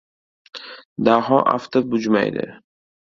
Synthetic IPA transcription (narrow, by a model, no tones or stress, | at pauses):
d̪aɦɒʔa̰ft̪ʰap̚bʊd͡ʒma̰jd̪ɪ̰